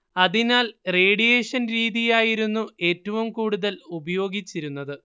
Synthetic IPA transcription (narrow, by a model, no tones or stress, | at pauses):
ɐðinaːlre̞ːɽijeːʂɐnɾiːðijaːjiɾunːue̞ːtːɐʋumkuːɽuðɐlubɐjo̞ːɡit͡ɕːiɾunːɐðɨ